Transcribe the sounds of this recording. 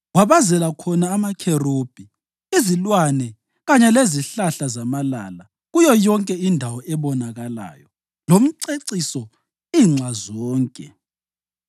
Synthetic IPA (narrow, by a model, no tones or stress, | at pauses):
waβazɛlakʰɔnaːmakʰɛrob̥ʱi | izilwanɛ | ɣaɲɛleziɬaɬazamala̰la | ɣujɔjɔŋkʼɛindʱawɔʔɛβɔnaɣala̰ːjɔ | lom̩ǀeǀisɔ | iːŋ͡ǁazɔːŋkʼɛ